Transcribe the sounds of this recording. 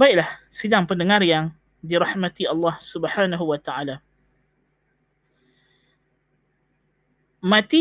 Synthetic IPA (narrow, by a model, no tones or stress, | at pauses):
baɪʔ̚lahsidaŋpəndəŋarjaŋ | diɾɑhmat̪iɑlːɑhsubħaːnaɦuwat̪aala | mãt̪i